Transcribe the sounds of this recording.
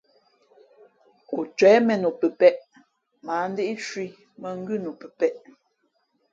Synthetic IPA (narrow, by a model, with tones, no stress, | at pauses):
ku˨t͡ʃwɛː˨˦mɛ˨nu˨pə˨pɛ˦ʔ | ma˨˦n˦de˦ʔi˦t͡ʃwi˦ | mə˨ŋ̩˦ɡʉ˦˨nu˨pə˨pɛ˦ʔ